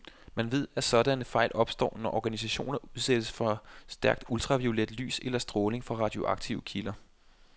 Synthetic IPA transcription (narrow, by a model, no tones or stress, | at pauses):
mænʋe̝ð̞̰ˠæsɒ̽dænəfɑ̈ɪ̰lɒ̽b̥sd̥ɒ̰ːnɒʔɒɡ̥ænisæɕo̝̰ːnɐuðˠsed̥əsfɒ̽sd̥æɐɡ̥̚d̥ult͡sʰʁɑ̈ʋio̝led̥ly̰ːselɐsd̥ʁɔːle̝ŋfɑʁɑ̈d̥io̝ʔɑ̈ɡ̥t͡sʰiʊkʰilɐ